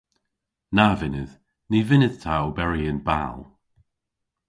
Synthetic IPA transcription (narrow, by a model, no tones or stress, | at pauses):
navɪnɪð | nivɪnɪð̥tʰaobɛɹiənba̰lˠ